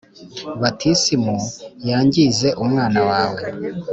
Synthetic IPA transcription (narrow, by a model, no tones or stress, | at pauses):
βatʰisimujaːɲɟize̞ʔumŋaːnawaːwe̞